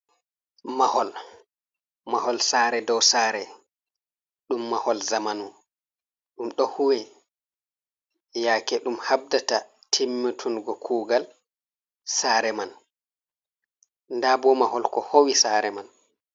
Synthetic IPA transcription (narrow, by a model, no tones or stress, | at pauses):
mahɔl | mahɔlsaːɾɛdɔwsaːɾɛ | ɗumːahɔlzamanu | ɗumɗɔhuwɛ | jaːkɛɗumhab̚data | tʰimːitʰunɡɔkʰuːɡal | saːɾɛman | ndabɔmahɔlkɔhowisaɾɛman